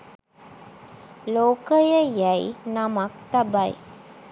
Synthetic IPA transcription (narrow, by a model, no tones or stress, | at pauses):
loːkəjəjæjnamak̚t̪abaj